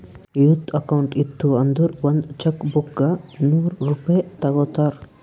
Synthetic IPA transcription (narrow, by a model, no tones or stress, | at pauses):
jut̪ɐkɐwuɳʈit̪ʰːuɐnd̪uɾʋɐnd̪t͡ʃɐkbukɡɐnuːɾɾupɐjet̪ɐɡɔːt̪aɾ